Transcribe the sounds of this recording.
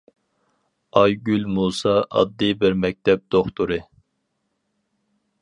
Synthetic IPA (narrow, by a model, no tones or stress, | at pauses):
ɑjɡʲylʲmuːsɑʔɑ̰d̪ːɨbɪɾmɛk̚ʲt̪ʰɛp̚d̪̥oχt̪ʰuɾɨ